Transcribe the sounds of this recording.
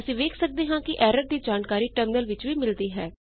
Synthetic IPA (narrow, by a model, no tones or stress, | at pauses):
əsĩːʋeːkʰsək̚d̪eːɦãːkɪʔɛːɾəʈ̚d̪iːd͡ʒaːnkaːɾiːʈəmnəlʋɪt͡ʃʋiːmɪld̪iːɦɛː